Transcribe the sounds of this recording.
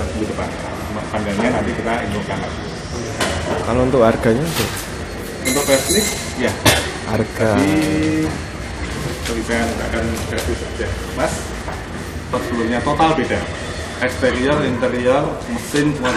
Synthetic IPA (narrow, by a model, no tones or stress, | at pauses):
bud̪əpa̰na̰ | mapandanɲanant̪ikit̪aint̪ʊk̪aŋat̪̚u | jakalount̪ʊkarɡ̥aɲat̪ʊ | unt̪ʊk̚pɛsnɪk | jaʔa̰rɡ̥ai | kəlikanit̪akanɡ̥ɾasɪsad͡ʒa | mas | sə̥ulurɲat̪ot̪albedal | ʔɛkst̪eɾialint̪eɾialməsɪnwa